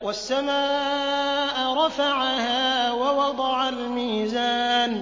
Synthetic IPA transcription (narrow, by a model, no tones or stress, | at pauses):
wasːamaː | ʔɾˤɑfaʕahaːwawɑd̪ˤɑʕalmiːzaːn